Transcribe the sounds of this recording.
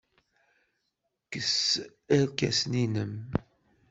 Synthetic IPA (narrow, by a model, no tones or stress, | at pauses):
kəs | æɾkæ̰sninəm